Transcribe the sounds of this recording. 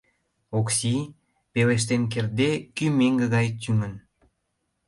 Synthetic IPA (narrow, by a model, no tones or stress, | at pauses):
oksi | peleʃ̬t̪enk̬erd̪ekymeŋɡəɣɑjt̪ʲyŋən